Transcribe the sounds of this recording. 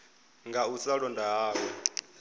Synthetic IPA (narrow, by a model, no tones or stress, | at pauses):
ŋɡausaɺɔndaɦaːwɔ